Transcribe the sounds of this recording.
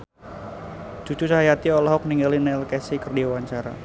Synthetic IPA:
d͡ʒ̥ut͡ʃut͡ʃaɦajat̪iɔlɔɦɔk̚niŋɡalinɛlkɛsikərdiawaɲt͡ʃaɾa̰

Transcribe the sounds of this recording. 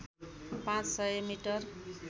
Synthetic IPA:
pãt͡ssʌjmiʈʌr

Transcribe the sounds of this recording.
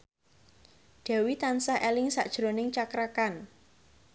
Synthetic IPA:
d̥a̤wit̪ansahʔɛlɪŋsa̰ʔd̥ʒ̥ɾo̤nɪŋt͡ʃakɾakan

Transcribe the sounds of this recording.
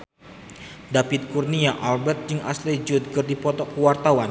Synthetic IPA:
dapɪt̪̚kurniaʔalbɛrt̪̚d͡ʒɨŋʔa̰sled͡ʒut̪̚kɨrdipɔt̪ɔkəwart̪awan

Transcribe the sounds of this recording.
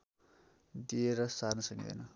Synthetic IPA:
d̪ieɾʌsarnʌsʌnḭd̪ʌ̰jnʌ

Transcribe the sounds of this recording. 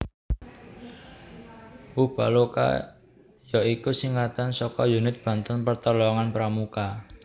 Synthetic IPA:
ʔub̥aloka̰ | jɔikusiŋat̪ansɔkɔjunɪt̪̚b̥ä̤nt̪ɔnpərt̪ɔlɔŋanpɾamuka

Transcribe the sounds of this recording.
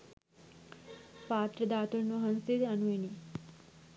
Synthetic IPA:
paːt̪ɾəd̪aːt̪unʋɐɦɐnst̪it̪ɐnuini

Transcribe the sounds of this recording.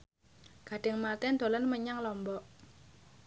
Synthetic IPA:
ɡ̥a̤ɖ̥ɪ̤ŋmat̪ɛnd̪o̤lanməɲaŋlɔmbɔʔ

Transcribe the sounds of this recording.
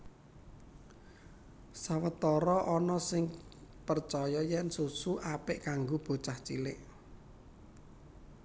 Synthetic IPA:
sawət̪ɔɾɔʔɔnɔsɪŋpərt͡ʃɔjɔjɛnsusuʔapɪʔkaŋɡob̥o̤t͡ʃaht͡ʃilɪʔ

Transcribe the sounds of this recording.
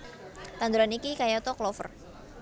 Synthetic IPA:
t̪and̪uɾanikikajat̪ɔklɔfə̰r

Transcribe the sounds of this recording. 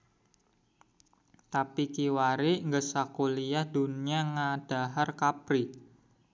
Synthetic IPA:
t̪apikiwaɾiʔŋɡəsakulijahd̪̥uniaŋad̥a̤ɦarkapɾi

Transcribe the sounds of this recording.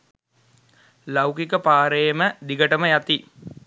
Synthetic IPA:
lawkikəpaːɾejməd̪iɡəʈəməjat̪i

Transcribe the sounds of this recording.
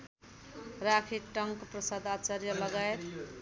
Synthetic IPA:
rakʰiʈʌŋkprʌsad̪at͡ʃaɾjʌlʌɡaet̪

